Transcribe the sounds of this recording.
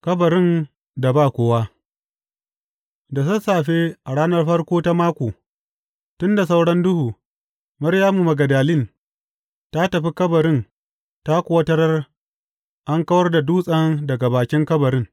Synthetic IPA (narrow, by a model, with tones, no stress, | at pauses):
kɐ˦bɐ˨ɾɪ˦˨n | da˨baː˦˨kʷoː˦wa˦ | da˨sɐ˦saː˨ɸe˦ʔa˨ɽaː˦nɐ˦rɸɐ˦rkʷoː˦ta˦maː˦kʷoː˨ | tʊ˦nda˨s̬a˦wɽɐ˦ndʊ˦huː˨ | mɐ˦ɾjaː˦mu˨mɐ˨ɡɐ˨daː˨lɪ˦n | ta˦tɐ˨ɸi˦kɐ˦bɐ˨ɾɪ˦n | ta˦kʷʊ˦wɐ˦tɐ˦ɾɐ˦r | ʔa˦ŋkɐ˦wɐ˦rda˨duː˦sʼɐ˦ndɐ˨ɡa˨baː˨kʲɪ˦ŋkɐ˦bɐ˨ɾɪ˦ŋ